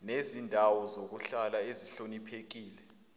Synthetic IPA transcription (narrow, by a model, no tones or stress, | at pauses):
nezindʱawɔzok̬uɬalaeziɬonipʰek̬iːlɛ